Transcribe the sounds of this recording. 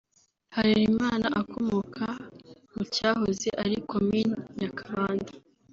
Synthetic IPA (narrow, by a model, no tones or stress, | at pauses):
haɾiɾimaːnaʔakʰomokʰamucaːɦozḛʔaɾikʰominjakʰaβaːndḁ